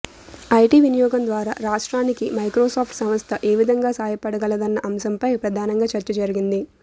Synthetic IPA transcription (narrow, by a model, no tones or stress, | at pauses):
ɐjʈiːʋinijɔːɡɐnd̪ʋaːɾa̰ːɾaːʂʈɾaːnikimɐjkɾɔːsaːpʰʈsɐmɐst̪ʰɐʔe̞ːʋid̪ʱɐŋɡaːsaːjɐpɐɽɐɡɐɭɐd̪ɐnːɐʔɐmsɐmpɐjpɾɐd̪ʱaːnɐŋɡaːt͡ʃɐɾt͡ʃɐd͡ʒɐɾiɡind̪i